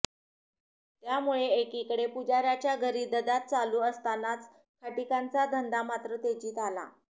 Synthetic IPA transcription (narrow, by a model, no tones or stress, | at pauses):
t̪jamuɭeekikəɽepud͡ʑaɾjat͡ɕjaɡʱəɾiːd̪əd̪at̪̚t͡saluːəst̪anat͡s | kʰəʈikant͡sad̪ʱənd̪amat̪ɾət̪ed͡ʑiːt̪ala̰